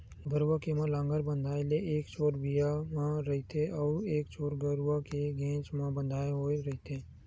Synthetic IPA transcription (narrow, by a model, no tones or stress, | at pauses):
ɡəɾwakemãlãːŋɡəɾbə̃nd̪ʱaːeleʔeːkt͡ʃʰoːɾbijamãɾɐɦit̪eʔɔːɾeːkt͡ʃʰoːɾɡəɾwakeɡẽːt͡ʃmãbə̃nd̪ʱaːeɦoːeɾɐɦit̪eː